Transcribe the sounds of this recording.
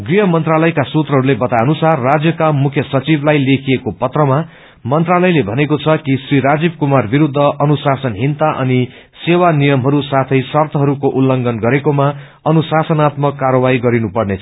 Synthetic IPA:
ɡriɦʌmʌnt̪ralʌjkasut̪rʌɦʌɾulebʌt̪aʌnusarːad͡zjʌkamukʰjʌsʌt͡siblajlekʰiekopʌt̪rʌma | mʌnt̪ralʌjlebʱʌnekot͡sʰʌkisriɾad͡zib̚kumarbiɾud̪ʱːʌʔʌnusasʌnɦint̪aʔʌ̰ni | sewanijʌmɦʌɾusat̪ʰʌjsʌrt̪ʰʌɦʌɾukoʔulːʌŋɡʱʌnɡʌɾekoma | ʌnusasʌnat̪mʌkːarʌbajɡʌɾinupʌrnet͡sʰʌ

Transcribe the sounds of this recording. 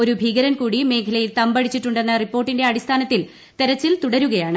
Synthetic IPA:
o̞ɾubʱiːɣɐɾɐmkuːɽime̞ːkʰɐlɐjilt̪ɐmbɐɽit͡ɕːiʈːuɳɖe̞nːɐripːoːrʈːinde̞ɐɽist̪ʰaːnɐt̪ːil | t̪e̞ɾɐt͡ɕːilt̪uɽɐɾuɣɐjaːɳɨ

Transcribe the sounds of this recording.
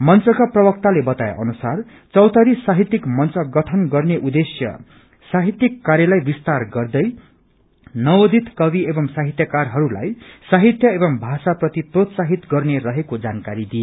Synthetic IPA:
mʌnt͡sʌkaprʌbʌk̚t̪alebʌt̪ajeʔʌ̰nusar | t͡sʌwt̪ʌɾisaɦit̪ːikmʌnt͡sʌɡʌʈʰʌnɡʌrneʔud̪esjʌ̰ | saɦit̪ːikːaɾjʌlʌjbist̪arɡʌrd̪ʌj | nʌod̪ʱit̪kʌβiebʌŋsaɦit̪jʌkarɦʌɾula̰jsaɦit̪jʌebʌmbʱasaprʌt̪iprot̪saɦit̪ɡʌrneɾʌɦekod͡zankaɾid̪ie

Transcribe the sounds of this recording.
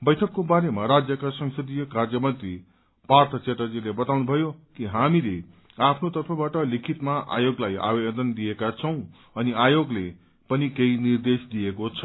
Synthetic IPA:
bʌjʈʰʌkːobaɾemaɾad͡zjʌkasʌŋsʌd̪ijʌkard͡zʌmʌnt̪ri | part̪ʰʌt͡seʈʌd͡zilebʌt̪awnubʱʌjokiɦamile | apʰnot̪ʌrpʰʌbaʈʌlikʰit̪maʔa̰joɡlaja̰bebʌd̪ʌnd̪ijekat͡sʰʌw̃ | ʌniajoɡle | pʌnikeinird̪esd̪ijekot͡sʰʌ

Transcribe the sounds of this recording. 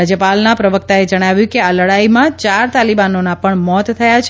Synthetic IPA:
ad͡ʒjəpalnapɾəʋək̚t̪aed͡ʒəɽ̃aʋjũkealəɽaimãt͡ʃaɾt̪alibanonapəɳmɔt̪tʰːəjat͡ʃʰ

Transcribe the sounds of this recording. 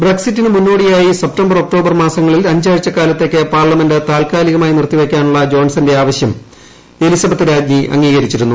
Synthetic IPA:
breksitːinɨmunːo̞ːɽijaːjisep̚tɐmbɐro̞k̚ʈo̞ːbɐrmaːsɐŋːɐɭilɐɲd͡ʑaːɻit͡ɕːɐkaːlɐt̪ːe̞kːɨpaːrlɐmendɨt̪aːlkaːliɣɐmaːjinirt̪ːiʋe̞kʲːaːnuɭːɐd͡ʑo̞ːnsɐnde̞aːʋɐɕjɐm | e̞lisɐbɐt̪ːɨɾaːd͡ʑmiʔɐ̰ŋːiːɣɐɾit͡ɕːiɾunːu

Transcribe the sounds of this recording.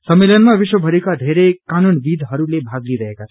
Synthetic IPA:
sʌmːelʌnmabiʃwʌbʱʌɾekad̪ʱeɾekanunbid̪ʱɦʌɾulebʱaɡliɾʌɦeka

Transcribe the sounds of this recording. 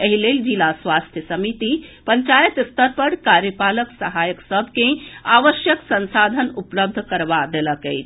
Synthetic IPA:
eɦileld͡ʒilasʋast̪ʰjəsəmit̪ipəɲt͡ʃajət̪ist̪əɾpəɽkaɾjəpaləksəɦajəksəbʱkẽaʋəʃjəksənsad̪ʱənupləb̚d̪ʱkəɾʋad̪eləkəjt͡ʃʰ

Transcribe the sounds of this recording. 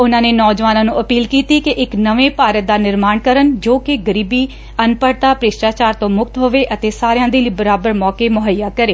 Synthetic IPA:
ʊnãːneːnɔːd͡ʒʋaːnãːnũːəpiːlkiːt̪iːkɪʔɪknəʋẽːpaːɾət̪̚d̪aːnɪɾmaːɳkəɾənd͡ʒoːkɪɡəɾiːbiː | ənpəɾt̪aːpɾɪʃʈaːt͡ʃaːɾt̪õːmʊk̚t̪ɦoːʋeːʔət̪eːsaːɾjãːd̪eːliːbəɾaːbəɾmɔːkeːmʊɦəjaːkəɾeː

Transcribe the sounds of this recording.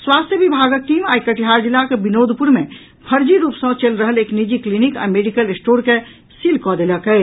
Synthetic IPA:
swast̪ʰjəbibʱaɡək̚ʈiːmaikəʈʰiɦaɾd͡ʒilːakebinod̪ʱpuɾme | pʰəɾd͡ʒiɾuːpsə̃t͡ʃelɾəɦəleknid͡ʒiklinika̰ːmeɖikəlesʈoɾke | silkɔd̪eləkɛ

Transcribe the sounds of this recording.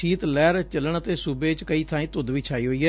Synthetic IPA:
iːt̪lɛːɾt͡ʃələɳət̪eːsuːbeːt͡ʃkəiːt̪ʰãːĩːt̪ʊd̪ʋiːt͡ʃʰaːiːɦoːiːɦɛː

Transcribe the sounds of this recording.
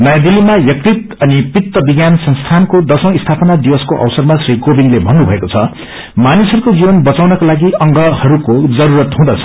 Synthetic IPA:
nʌjad̪ilːimajʌk̚rit̪ʌnipit̪ːʌbiɡjansʌ̃ŋst̪ʰankod̪ʌsʌ̃w̃ist̪ʰapʌnad̪ibʌskoʔʌ̰wsʌrmasriɡobinlebʱʌnːubʱʌekot͡sʰʌ | manisʌɾukod͡zibʌnbʌt͡sawnʌkalaɡiʌŋɡʌhʌɾukod͡zʌɾuɾʌt̪ɦũd̪ʌt͡sʰʌ̥

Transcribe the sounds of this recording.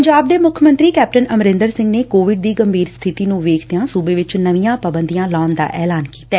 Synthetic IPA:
əɲd͡ʒaːb̚d̪eːmʊkʰəmə̃nt̪ɾiːkɛːp̚ʈənəmɾɪ̃nd̪əɾsɪ̃ŋɡneːkoːʋɪɖ̚d̪iːɡəmbʱiːɾst̪ʰɪt̪iːnũːʋeːkʰd̪ejãːsuːbeːʋɪt͡ʃnəʋijãːpəbənd̪ijãːlaːnd̪a̰ːʔɛːlaːnkiːt̪ɛː

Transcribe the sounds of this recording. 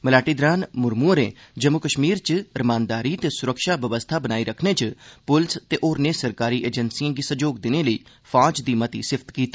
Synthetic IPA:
məlaːʈiːd̪ɾaːnmʊɾmuːɾḛːd͡ʒəmːʊkəʃmiːɾt͡ʃɾəmãːnd̪aːɾiːt̪eːsʊɾəkʃaːʋəʋəst̪ʰaːbənaːiːɾəkʰneːt͡ʃpʊlst̪eːʔoːɾneːsəɾkaːɾiːʔeːd͡ʒənsiãːɡiːsəd͡ʒoːɡd̪ɪneːləiː | fʰaːd͡ʒd̪iːmət̪iːsɪpʰt̪kiːt̪aː

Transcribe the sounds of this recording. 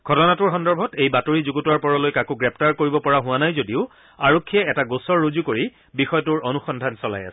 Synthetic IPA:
ɡʱɔtɔnatʊɹxɔndɔɹbʱɔtejbatoɹizuɡutuwaɹpɔɹɔlojkakuɡɹɛp̚taɹkoɹibɔpɔɹaɦʊwanajzodiʊ | aɹokʰːiɛɛtaɡosɔɹːuzukoɹi | bixɔjɔtʊɹonuxɔndʱansɔla̰ja̰sɛ̥

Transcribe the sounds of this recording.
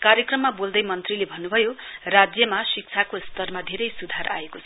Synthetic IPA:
kaɾjʌkrʌmːabold̪ʌjmʌnt̪rilebʱʌnːubʱʌjorad͡zjʌmasik̚t͡sʰakost̪ʌrmad̪ʱeɾʌjsud̪ʱaɾa̰ekot͡sʰʌ

